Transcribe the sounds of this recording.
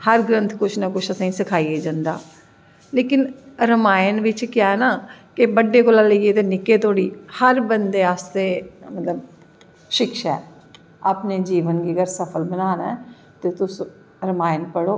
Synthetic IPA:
həɾɡɾə̃nt̪ʰkʊt͡ʃʰnaːkʊt͡ʃʰəsãːĩːsəkʰaːiːeːd͡ʒãːnd̪aː | leːkɪnɾəmaːjnʋɪt͡ʃkɪjaːɛːnaːkɪbəɖːeːkʊlaːləieːt̪eːnɪkːeːt̪ʰoːɽiːhəɾbənd̪eːaːst̪eːmət̪ləb | ʃɪkʃaɛː | aːpneːd͡ʒiːʋənɡiːəɡəɾsəpʰəlbənaːna | t̪eːt̪ʊs | ɾəmaːɪnpəɽoː

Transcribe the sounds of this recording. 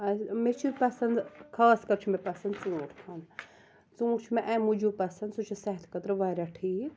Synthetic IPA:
ɐmet͡ʃʰipɐsɐnd̪kʰaːskɐɾt͡ʃʰumepɐsɐnd̪t͡suːʈt̪ʰɐn | t͡sũːkt͡ʃʰumeʔɛ̃mud͡ʒupɐsɐnd̪sut͡ʃʰisɛɦt̪ʰkɐt̪ɾʋaɾaʈʰiː

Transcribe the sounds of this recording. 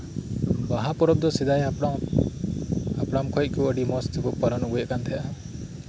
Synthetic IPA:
baɦapɔɾɔb̚d̪ɔsid̪ajɽa | apɽamkʰɔjt̪̚kuəɖimɔst̪ʰikɔpaɾɔnɔɡujɛʔkant̪ʰɛjʔa

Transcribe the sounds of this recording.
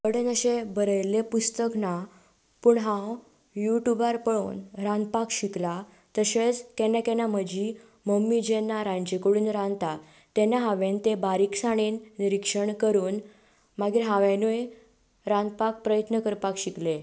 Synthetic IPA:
əɽənəɕebəɾəjlepust̪əkna | puɳɦãw | juʈjubaɾpəɭoːnɾãnd̪̚pakɕikla | t̪əɕet͡skɛnakenaməd͡ʑi | məmːid͡ʑenːaɾãɲd͡ʑekuɽuːnɾãnt̪a | t̪enaɦãʋẽnt̪ebaɾiksaɽ̃iːnːiɾikʂəɳkəɾuːn | maɡiːɾɦãʋẽnue | ɾãnd̪̚pak̚pɾəjət̪nəkəɾpakɕikle

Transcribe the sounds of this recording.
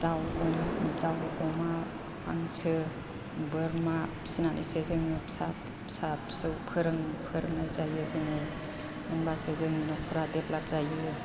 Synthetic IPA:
tawɔmamitawkɔma | a̰ŋsɯ | bɯɾma | sinanʔḭsezɯŋɯpsap | sapsɯwpʰɯɾɯŋpʰɯɾɯŋlajzajɯzɯŋɯ | nɯŋbasezɯŋinɔkʰɔɾadeplak̚z̥ajɯ

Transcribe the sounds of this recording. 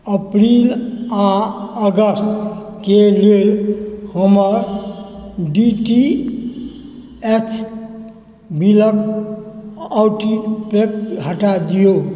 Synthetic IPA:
əpɾilaəɡəst̪kelelhəməɾ | ɖiʈi | et͡ʃʰ | bilək | awʈipekɦəʈad̪ijo

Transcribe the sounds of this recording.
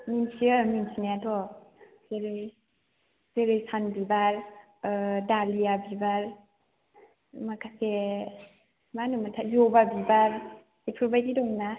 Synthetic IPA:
minsiaminsinajatʰɔ | zeɾɯj | zeɾɯjsanbibaɾ | daliabibaɾ | makʰase | manɯmatʰajɔbabibaɾ | ipʰɾɔbajdidɔna

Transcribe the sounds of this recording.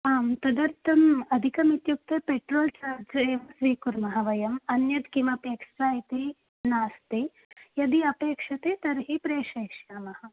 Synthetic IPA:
aːmt̪ɐd̪ɐɾt̪ʰɐmɐd̪ʱikɐmit̪juk̚t̪ɐpeʈɾoːlt͡ʃaːɾd͡ʒemsʋiːkuɾmɐɦɐʋɐjɐmɐnjɐd̪kimɐpeːkʂɾaːjit̪i | naːst̪i | jɐd̪iɐpeːkʂɐt̪eːt̪ɐɾɦipɾeːʃɐʃjaːmɐhɐ

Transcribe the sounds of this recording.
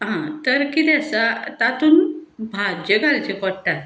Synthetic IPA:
ɦãt̪əɾkit̪ɛsat̪at̪uːnbʱad͡ʑəɡalt͡ɕekɔɽʈat̪

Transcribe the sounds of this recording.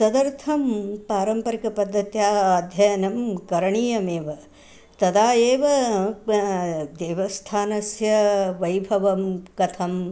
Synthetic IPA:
sɐd̪ɐɾt̪ʰɐmpaːɾɐmpɐɾikɐpɐd̪ʱːɐt̪jaːd̪ʱjɐjɐnɐmkɐɾɐɳiːjɐmeːʋɐ | t̪ɐd̪aːjeːʋɐ | d̪eːʋɐst̪ʰaːnɐsjɐʋɐjbʱɐʋɐmkɐt̪ʰɐm

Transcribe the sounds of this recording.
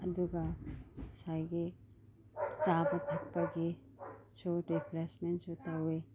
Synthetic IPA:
ɐduɡɐ | sajɡi | t͡ʃabɐtʰɐk̚pɐɡi | suɾipʰɾesmentsutawe

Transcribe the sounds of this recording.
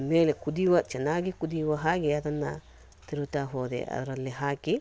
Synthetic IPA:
meːlekud̪iʋɐt͡ʃɐnaːɡikud̪iʋɐɦaːɡiɐd̪ɐnːɐ̰ | t̪iɾut̪aːɦoːd̪ḛʔɐ̰d̪ɐɾɐlːiɦaːki

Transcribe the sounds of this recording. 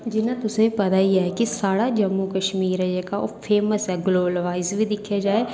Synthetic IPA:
d͡ʒɪnat̪ʊsẽpɐt̪aijeɦɛkisaːɽad͡ʒɐmːukɐʃmiːɾɛekao̰pʰeːməsɦɛɡloːbəlʋaːɪzbʱid̪ɪkʰijad͡ʒaːe

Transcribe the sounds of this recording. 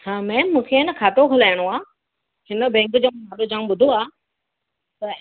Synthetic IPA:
hãːmɛ̃ːmũːkʰeɪnəkʰaːt̪okʰʊlaːəɽ̃oaː | ɦɪnə̆bɛ̃ːŋkd͡ʑõːmaːɗod͡ʑaːũɓʊd̪ʱoaː | t̪ɐ

